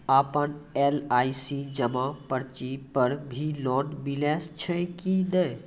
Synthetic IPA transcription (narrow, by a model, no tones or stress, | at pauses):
aːpənelaːisid͡ʒəmãpəɾt͡ʃipəɾbʱilɔːnmileːst͡ʃʰəkidə